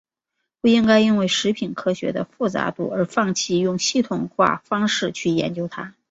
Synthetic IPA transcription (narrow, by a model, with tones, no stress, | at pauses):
pu˥˩i˥ŋka˥ɪi˥nwe˥˩ɪʂɻ̩˧˥pʰi˨˩nkʰɤ˥ɕɥɛ̰˧˥d̪ə̰˧fu˥˩t͡sa̰˧˥t̪ṵ˥˩ə˞˧˥fɑ˥˧˩ŋt͡ɕʰi˥˧jʊ˥˧ŋɕi˥˩t̪ʰʊ˨˩ŋxwa̰˥˩fɑ˥ŋʂɻ̩˥˧t͡ɕʰy˥˩jɛ̰˧˥nt͡ɕjo˥ʊt̪ʰa˥